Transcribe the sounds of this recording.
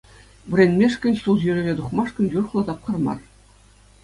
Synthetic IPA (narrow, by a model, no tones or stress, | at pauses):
ʋʲɘ̆rʲenʲmʲeʂkʲɘ̆nʲɕulˠʑyrʲĕrʲed̪uχmɑʂkɤ̆nʲjurχlˠɤ̆t̪ɑp̚χɤ̆rmɑ̰r